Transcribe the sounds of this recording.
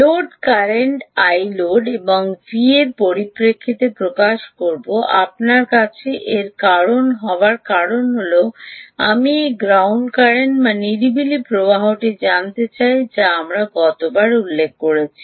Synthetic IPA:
loɖkaɾeɳʈajloɖeboŋvieɾpoɾipɾekʰːit̪epɾokaʃkoɾboʔa̰pnaɾkat͡ɕʰeʔeɾkaɾonɦɔoaɾkaɾonɦoloamiɡɾawɳɖkaɾeɳʈbaniɾibilipɾobaɦoʈid͡ʑant̪et͡ɕajd͡ʑeamɾaɡɔt̪obaɾulːek̚kːoɾet͡ɕʰi̥

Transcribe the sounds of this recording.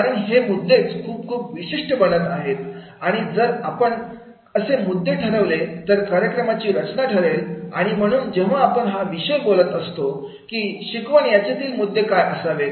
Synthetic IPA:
kaɾəɳɦemud̪ʱːet͡skʰuːp̚kʰuːpʋiɕiʂʈəbəɽət̪aɦet̪ | aɽ̃id͡zəɾapəɳ | əsemud̪ʱːeʈʰəɾəʋlet̪əɾkaɾjəkɾəmat͡ɕiːɾət͡ɕnaʈʰəɾela̰ɽ̃im̤əɽ̃uːnd͡ʑeʋ̤aapəɳɦaʋiɕəjbolət̪əst̪o | kiːɕikʋəɳjat͡ɕat̪ʰiːlmud̪ʱːekajəsaʋe

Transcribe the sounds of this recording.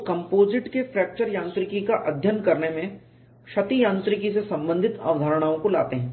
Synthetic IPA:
kɐ̃mpoːzɪʈkefɾɛːk̚t͡ʃəɾjãːnt̪ɾɪkikaʔɐd̪ʱjənkɐɾnemẽ | ʃɐt̪ijãːnt̪ɾɪkis̬esɐ̃mbə̃nd̪ʱɪt̪a̰ːʋəd̪ʱaːɾɽ̃aːõkola̰ːt̪eɦɛ̃ː

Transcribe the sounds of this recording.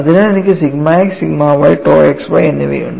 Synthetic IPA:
ɐðinaːɭenikʲːɨsiɡmaːeksiɡmaːʋajiʈːoːjeksʋɐjenːiʋɐ̰jṵɳɖ

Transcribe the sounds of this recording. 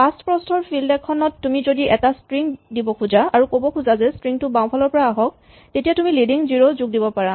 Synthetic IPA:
astpɹɔstʰɔɹpʰildɛkʰːɔnɔtːumizodiʔɛtastɹiŋdibɔkʰuzaaɹukobɔkʰuzazɛstɹiŋtʊbaw̃pʰɔlɔɹpɔɹaːɦɔk̚ | tetijatumilidiŋziɹozuɡ̚dibɔpaɹa

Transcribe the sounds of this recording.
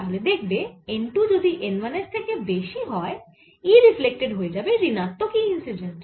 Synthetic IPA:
aɦoled̪ekʰbeeɳʈud͡ʒod̪ʱiʔenʋanesk̪ʰakebeʃiɦɔe | iɾiflek̚ʈeɖɦoed͡ʑabeɾinat̪ːokiinsid͡ʒeɳʈ

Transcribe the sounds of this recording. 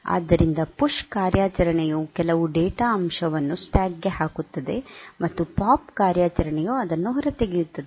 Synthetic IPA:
a̰ːd̪ːɐɾind̪ɐpuʂkaːɾjaːt͡ʃɐɾɐɳɛjukɛlɐʋuɖeːʈaɐmʂɐʋɐnːusʈaːɡːeɦaːkut̪ːɐd̪e̞mɐt̪ːupaːp̚kaːɾjaːt͡ʃɐɾɐɳɛjuɐd̪ɐnːuɦɾɐt̪eɡijut̪ːɐd̪e

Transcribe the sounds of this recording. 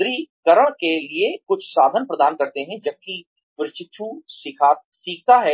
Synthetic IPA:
ɾikɐɾəɽ̃keliekʊt͡ʃʰsaːd̪ʱənpɾɐd̪aːnkɐɾt̪eɦɛ̃d͡ʒɐb̚ki | pʊɾɪt͡ʃɪʃʰusɪkʰa | siːk̚t̪aɦɛ

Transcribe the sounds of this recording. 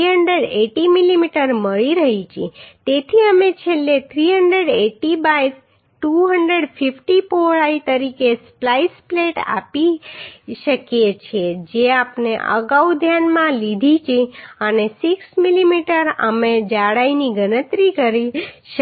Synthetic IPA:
ɦəɳɖɾeɖeʈimilimiʈəɾməɭiɾəɦit͡ʃʰet̪et̪ʰiəmet͡ʃʰelːet̪ʰɾiɦəɳɖɾeɖeʈibaj | ʈuɦəɳɖɾeɖpʰifʈipoɭait̪əɾikesplaispleʈa̰pi | ʃəkjet͡ʃʰed͡ʒeapneʔə̰ɡaud̪ʱjanmãlid̪ʱit͡ʃʰeənesiksmilimiʈəɾə̰med͡ʒaɽainiɡənət̪ɾikəɾiʃə

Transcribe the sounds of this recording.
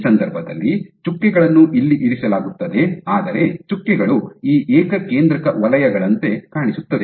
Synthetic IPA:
sɐnd̪ɐɾbʱɐd̪ɐ̰lːit͡ʃukːiɡɐɭɐnːuʔilːiʔiɾisɐlaːɡut̪ːɐd̪e̞aːd̪ɐɾe̞t͡ʃukːiɡɐɭuiːʔeːkɐke̞ːnd̪ɾɐkɐʋɐlɐjɐɡɐɭɐnt̪e̞kaːɳisut̪ːɐd̪e

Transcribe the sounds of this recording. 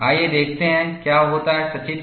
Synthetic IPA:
aːjed̪eːk̚ʰt̪eɦɛ̃kjaːɦoːt̪aɦɛsɐt͡ʃit̪

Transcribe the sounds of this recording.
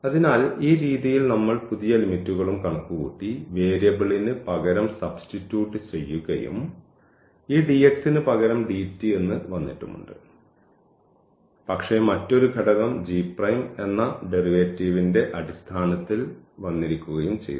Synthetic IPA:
ɐðinaːliːɾiːðijilnɐmːɐɭpuðijɐlimitːuɣɐɭumkɐɳɐkːuɣṵːʈːiʋe̞ːɾjɐbiɭinɨpɐɣɐɾɐmsɐbstitːjuːʈːɨt͡ɕe̞jːuɣɐ̰jṵm | iːɖieksinɨpɐɣɐɾɐmɖiːtːie̞nːɨʋɐnːḭʈːṵmːṵɳɖɨ̰ | pɐkʂe̞mɐtːo̞ɾuɡʱɐɽɐɣɐmd͡ʑiːprɐjme̞nːɐɖe̞riʋetːiːʋinde̞ʔɐɽist̪ʰaːnɐt̪ːilʋɐnːiɾikʲːuɣɐjumt͡ɕḛj

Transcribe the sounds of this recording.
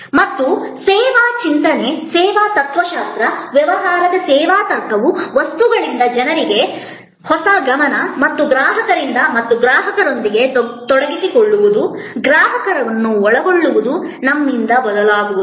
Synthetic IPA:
mɐt̪ːusɛːʋaːt͡ʃint̪ɐne̞sɛːʋaːt̪ɐt̪ʰʋɐʃaːst̪ɾɐʋjɛʋɐɦaːɾɐd̪ɐsɛːʋaːt̪ɐɾkʰɐʋuʋɐst̪uɡɐɭind̪ɐd͡ʒɐnɐɾiɡe̞ | hɔsɐɡɐmɐnɐmɐt̪ːuɡɾaːɦɐkɐɾind̪ɐmɐt̪ːuɡɾaːɦɐkɐɾo̞nd̪iɡe̞t̪ɔɽɐɡisikoɭːuʋud̪uɡɾaːɦɐkɐɾɐʋɐnːuɔɭɐɡoɭːuʋud̪unɐmːind̪ɐbɔd̪ɐlaːɡuʋud̪u

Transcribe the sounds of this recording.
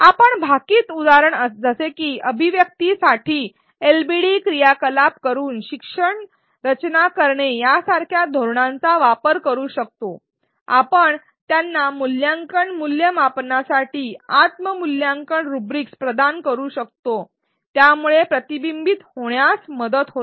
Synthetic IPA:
apəɳbʱakiːt̪ud̪aɾəɳəsd͡zəsekiːʔəbʱiʋjək̚t̪isaʈʰiː | elbiɽikɾijakəlap̚kəɾuːnɕikʂəɳ | ɾət͡ɕnakəɾɳejasaɾkʰjad̪ʱoɾɳãnt͡saʋapəɾkəɾuːɕək̚t̪o | a̰pəɳ | t̪janːamuljãŋkəɳmuljəmapnasaʈiːat̪məmuljãŋkəɳɾubɾikspɾəd̪ankəɾuːɕək̚t̪o | t̪jamuɭepɾət̪ibimbit̪hoɳjasməd̪ət̪ɦot̪

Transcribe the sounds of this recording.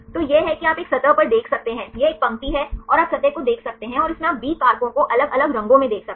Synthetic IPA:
t̪oːjeɦɛkiaːpeːksɐt̪əʋpɐɾd̪eːkʰsɐk̚t̪eɦɛ̃ːjeeːk̚pɐ̃mp̪iɦɛɔːɾaːpsɐt̪əkod̪eːkʰsɐk̚t̪eɦɛ̃ɔːɾɪsmẽaːp̚biːkaːɾpõkoʔɐləɡɐləɡɾɐ̃ŋɡõmẽd̪eːkʰsɐk̪̚e

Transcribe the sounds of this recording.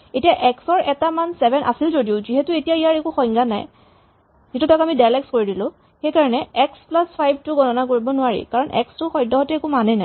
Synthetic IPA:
etijaʔɛksɔɹʔɛtamansɛbʱɛnʔa̰silzodiʊziɦetʊetijaijaɹekuxɔ̃jŋɡana̰j | zietutɔkamidajlɛkskoɹidilʊ̃ | xejkaɹɔnɛɛksplaspʰajb̚ʱtʊɡɔnɔnakoɹibɔnʊaɹḭkaɹɔnʔɛ̰kstʊxɔjdʱːɔɦɔtɛekumanɛnaj

